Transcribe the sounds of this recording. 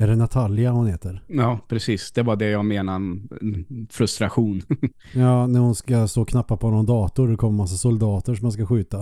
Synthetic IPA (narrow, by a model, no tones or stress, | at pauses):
ɛɖɛnɛt̪ʰaljahʊnheːt̪əɾjɑːpʰɾɛsiːsd̪ɛbɑɖɛjɑːɡmeːna | fɾɵst̪ɾaɧuːn | jɑːnæɾhʊnskast̪oːkʰnapːapʰɔhɔnɔmd̪ɑːt̪ʊɾd̪ɛkʰɔmːəmas̬ːasʊld̪ɑːt̪əʂɔmanskaɧʉ̟ːt̪a